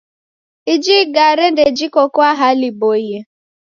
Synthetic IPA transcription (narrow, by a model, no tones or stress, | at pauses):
id͡ʒiɡaɾeded͡ʒikokʊaɦaliboiɦe